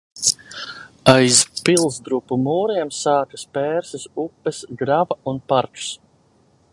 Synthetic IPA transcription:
ajzpilˠzd̪ɾupːumuːɾiɛmsaːkaspɛːɾsɛsupːɛsɡɾavaunpaɾt͡ʃu̥s

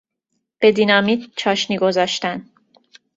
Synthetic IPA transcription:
b̥e̞d̪iːnɒmid̪̚t͡ʃʰɒːʃniːɡo̞zɒːʃt̪æn

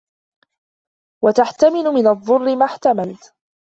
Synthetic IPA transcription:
wat̪aħt̪amɪlʊmɪnɑðˤːʊrːɪmaħt̪amalt̪

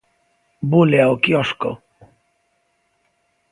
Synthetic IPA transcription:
buleaokjɔʃko̰

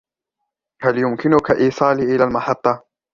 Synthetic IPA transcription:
haljʊmkɪnʊkaʔiːsˤɑːliːʔɪlaːlmɑħɑt̪ˤːɑ

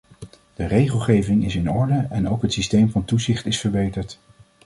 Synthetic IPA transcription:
d̥ərejχəlˠχejvɪŋɪsɪnɔɹdəɛnowkɦətsistejmvɑntuzɪχtɪsfəɹbejtəɹt

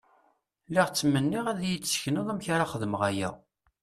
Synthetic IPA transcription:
liʁt͡sːmənːiʁæðjit͡sːsçnəðˤæmçɾaχəðməʁæjæ̰

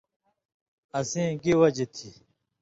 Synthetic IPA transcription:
ɐsĩːɡiwɐd͡ʑit̪ʰi

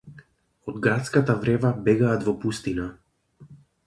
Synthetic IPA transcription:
ɔd̪ɡɾat̪skat̪avɾɛvabɛɡaːt̪vɔpust̪ina

